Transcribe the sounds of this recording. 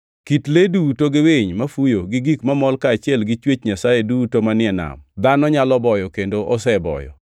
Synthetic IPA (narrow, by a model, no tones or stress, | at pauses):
kitledutoɡɪweɲmafujoɡɪɡikmamɔlkaːt͡ʃɪɛlɡɪt͡ʃwet͡ʃɲasajedutomanɪɛna̰md̪anɔɲalɔbɔjɔkendoʔɔsɛbɔ̰jɔ̰